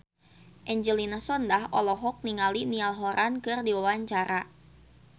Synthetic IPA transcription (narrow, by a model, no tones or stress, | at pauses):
ʔɛɲd͡ʒəlinasɔndahɔlɔɦɔk̚niŋalinialɦɔɾʔankɨrdiwawaɲt͡ʃaɾa